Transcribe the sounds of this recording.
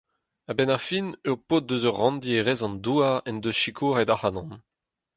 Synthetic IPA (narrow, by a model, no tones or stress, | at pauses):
abɛnaʁfinøʁpot̪̚døzœʁːɑ̃nd̪ieʁɛzɑ̃nd̪uːaɛnd̪øsʃikʰuːʁɛd̪aχanɑ̃n